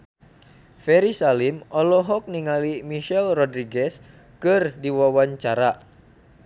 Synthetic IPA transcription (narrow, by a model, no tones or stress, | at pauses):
fɛɾisalimʔɔlɔɦɔk̚niŋalimiʃɛlrɔdɾiɡɛs | kɨrdiwawaɲt͡ʃaɾa